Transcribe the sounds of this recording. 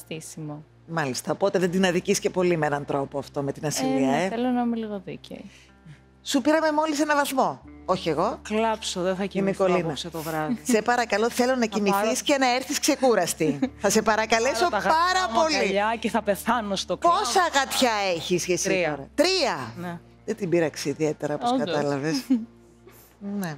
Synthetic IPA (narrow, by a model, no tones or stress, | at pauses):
θisimo | mɐlist̪ɐopo̞t̪e̞ðed̪inɐðicisce̞po̞limeenɐnt̪ɾo̞poɐft̪o̞me̞t̪inɐsiliɐeelonɐmiliɣoðiceo | supiɾɐme̞mo̞lise̞nɐvɐθmo̞oçie̞ɣo̞klɐpsoðeθɐinikolinɐst̪ovɾɐðisepɐɾɐkɐlo̞θe̞lo̞nɐcimiθiscenɐeɾθiskse̞kuɾɐst̪iθɐse̞pɐɾɐkɐleso̞pɐɾɐpo̞liʎɐceθɐpeθɐnost̪okposɐɣɐt̪çɐeçisçesioɾɐt̪ɾiɐne | ðet̪ibiɾɐkseiðiet̪e̞ɾɐopskɐt̪ɐlɐves | ne